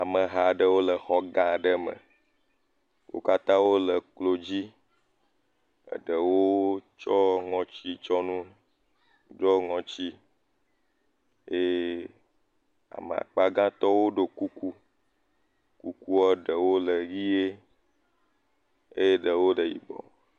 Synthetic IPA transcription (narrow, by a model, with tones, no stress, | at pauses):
a˨mə˨ɦa˨ɖə˦wo˦lə˨xɔ˦ɡã˨ɖə˦mə̰̃˨ | wʔo̰˦ka˦t̪ã˦wo˦lə˨klo˨d͡ʑi˦ | ə̰˨ɖə˨wo˦t͡ʃɔ˦ŋɔ̃˨t͡ɕi˦t͡ʃɔ˦nũ˦ | ɖɔ˦ŋɔ̃˨t͡ɕi˦ | e˦ | a̰˨m˨a̰˨k͡pa˦ɡã˦t̪ɔ˦wo˦ɖo˨ku˦ku˦ | ku˦ku˦ɔ˦ɖə˨wo˦lə˨ɣi˦e˦ | e˦je˦ɖə˨wo˦ɖə˨jḭ˨bɔ̰˨